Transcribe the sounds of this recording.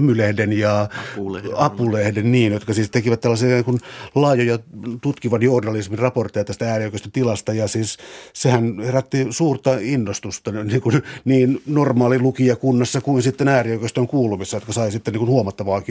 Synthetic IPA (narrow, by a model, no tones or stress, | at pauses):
mylehdenjɑ | ɑpulehdenniːnjot̪kɑsiːst̪ekiʋæt̪t̪ːælːɑsiːniŋkunlɑjojɑt̪ut̪kiʋɑnjornɑlismirɑport̪ːˑejɑt̪æst̪ææːriokøst̪ønt̪ilɑst̪ɑjɑsiːssehænheræt̪ːisuːrt̪ɑinːost̪ust̪ɑniːŋkunniːnnormɑːlilukiɑkunːɑsːɑkuinsit̪ːenæːriokøst̪øŋkuːlumisːɑjot̪kɑsɑisit̪ːeniːkunhuomɑt̪ːɑʋɑːki